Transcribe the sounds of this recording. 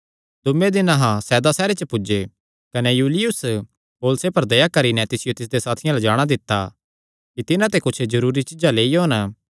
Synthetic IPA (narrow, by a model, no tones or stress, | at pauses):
d̪ʊmẽd̪ɪnãɦãsɛːd̪asɛːɾet͡ʃəpʊd͡ʒe | kɐnɛjuːlɪjʊs | poːlsepɐɾd̪ɐjakɐɾinɛt̪ɪsɪjot̪ɪs̬d̪esaːt̪ʰɪjãlad͡ʒaːɽ̃ad̪ɪt̪ːa | kit̪ɪnãt̪ekʊt͡ʃʰzɐɾuːɾit͡ʃɪd͡ʒaleːioːn